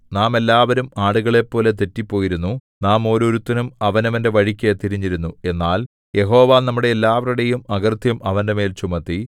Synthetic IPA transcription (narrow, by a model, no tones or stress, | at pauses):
naːme̞lːaːʋɐɾumaːɽuɣɐɭe̞pːo̞ːlet̪̬etːipːo̞ːjiɾunːu | naːmo̞ːɾuɾut̪ːɐnumɐʋɐnɐʋɐnde̞ʋɐɻikʲːet̪iɾiɲːiɾunːue̞nːaːl | je̞ɦo̞ːʋaːnɐmːuɽe̞ːlːaːʋɐruɽe̞jumɐɣɐrt̪ʰjɐmɐʋɐnde̞me̞ːlt͡ɕumɐt̪ːi